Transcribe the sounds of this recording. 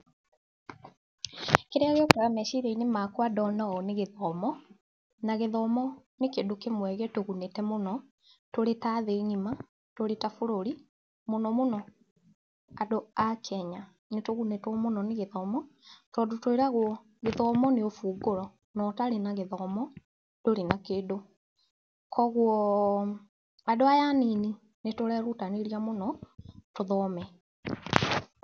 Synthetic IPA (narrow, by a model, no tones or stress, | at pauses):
keɾeaɣɔkɔɾamɛʃiɾeinemakwadɔnɛɣɔneɣeðɔːmɔ | naɣeðɔmɔnekeːndokemwɛɣɛtoɣunetɛmonɔ | toɾetaðeɲima | toɾetafoɾoɾi | monɔmonɔ | adoakʰɛɲa | netoɣunetwɔmonɔneɣeðɔmɔtɔdotoiɾaɣwɔ | ɣeðɔːmɔneofuːɡoɾɔ | nɔtaɾenaɣeðɔmɔ | d̥oɾenakedo | kʰɔɣwɔ | adoajanini | netoɾɛɾutaneɾiamonɔtoðɔmɛ